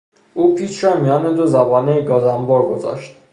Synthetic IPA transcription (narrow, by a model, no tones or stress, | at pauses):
ʔuːpʰiːt͡ʃɾɒmijɒːned̪ozæbɒːneɡɒːzæmbɒːɾɡozɒ̰ːʃt̪̚